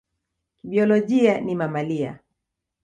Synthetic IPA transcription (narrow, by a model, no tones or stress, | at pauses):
kiɓiɔlɔʄianimamalia̰